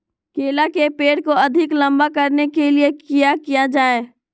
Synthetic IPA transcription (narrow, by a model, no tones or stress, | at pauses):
keːlakepeːɽkoɐd̪ʱɪklɐ̃mbakɐɾnekeliekijakijad͡ʒaːeː